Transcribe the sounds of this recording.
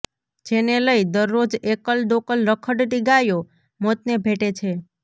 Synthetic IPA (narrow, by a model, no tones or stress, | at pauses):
d͡ʒeneləid̪əɾːod͡ʒekəld̪okəlɾəkʰəʈʈiɡajo | mot̪̚nebʱeʈet͡ʃʰe